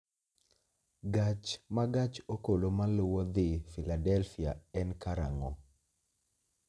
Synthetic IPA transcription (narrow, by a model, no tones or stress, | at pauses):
ɡat͡ʃmaɡat͡ʃokolomalʊwɔd̪ɪfiladɛlfiaɛnkaɾa̰ŋɔ